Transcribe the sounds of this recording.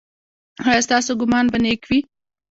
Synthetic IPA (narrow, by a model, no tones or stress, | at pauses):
hajast̪ɑsoɡʊmɑnbanekwi